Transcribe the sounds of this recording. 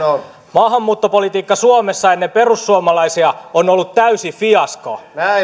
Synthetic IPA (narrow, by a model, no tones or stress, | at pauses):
mɑːɦɑmːuːt̪ːopo̞lit̪iːkːɑsuɑmesːɑenːempe̞rusːuɑmɑlɑisiɑonolːut̪t̪ːæysifiɑskɑ̰næ